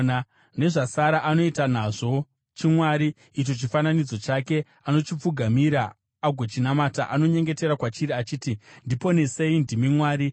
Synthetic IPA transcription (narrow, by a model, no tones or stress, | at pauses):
na | ne̞ʐasaɾaʔano̞itan̤aʐo̞ | t͡ʃimwaːɾiː | t͡ʃo̞t͡ʃifananid͡zo̞t͡ʃake̞ | ano̞t͡ʃip͡fuɡʱamiɾaː | ɡʱot͡ʃinamataʔano̞ɲe̞ŋɡe̞te̞ɾakwat͡ʃiɾiat͡ʃiːtindipo̞ne̞se̞indimimwaːɾi